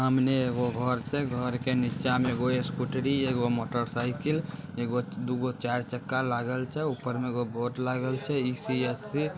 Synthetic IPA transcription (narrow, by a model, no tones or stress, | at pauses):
ɦəmneeɡoɡʱəɾt͡ʃʰɛɡʱəɾkenitːt͡ʃameɡoeskuʈɾieɡomoʈəɾsaɪkileɡod̪uɡot͡ʃaɾt͡ʃəkːalaɡəlt͡ʃʰɛupːəɾmeɡoboʈlaɡəlt͡ʃʰɛisiesːi